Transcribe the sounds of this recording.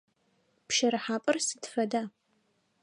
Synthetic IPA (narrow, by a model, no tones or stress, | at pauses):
pʃɐɾɨħaːpʼɨrsɨdfɐdaː